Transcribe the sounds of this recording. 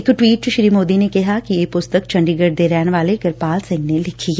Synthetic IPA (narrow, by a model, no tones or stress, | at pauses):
ɪkʈʋiːʈ̚t͡ʃʃɾiːmoːd̪inekɛɦakieːpʊst̪əkt͡ʃɐ̃ɳɖiɡəɖd̪eːɾɛːnʋaːleɡɐɾpaːlsɪ̃ŋɡnelɪkʰiɛ